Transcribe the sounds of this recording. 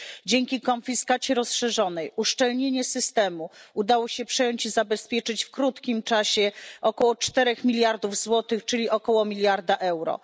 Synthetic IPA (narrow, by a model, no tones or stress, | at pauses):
d͡ʑeŋkʲikɔnfʲiskat͡ɕiɾɔsʂɛʐɔnɛjuʂt͡ʂɛlɲeɲɛsɘst̪ɛmuud̪awɔɕɛpʂɛjɔɲt͡ɕizabɛspʲjɛt͡ʂɘt͡ɕfkɾut̪kʲimt͡ʂaɕɛʔɔkɔwɔt͡ʂt̪ɛɾɛxmʲilʲjaɾd̪uvzwɔt̪ɘxt͡ʂɘlʲiʔɔkɔwɔmʲilʲjaɾd̪aʔɛwɾɔ̰